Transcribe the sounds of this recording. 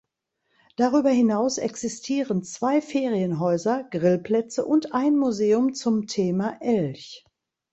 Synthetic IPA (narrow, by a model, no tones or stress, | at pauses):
d̥aʁyːbɐɦɪnaʊsɛ̰ksɪstʰiːʁənt͡sv̥aɪfeːʁiənɦɔʏzɐɡ̥ʁɪlpl̥ɛt͡səʔʊntʔaɪnmuzeːʊmt͡sʊmtʰeːmaʔɛlç